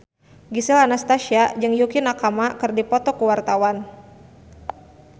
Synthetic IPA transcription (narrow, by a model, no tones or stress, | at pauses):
ɡisɪlanast̪aʃiad͡ʒɨŋjukinakamakɨrdipɔt̪ɔkuwart̪awan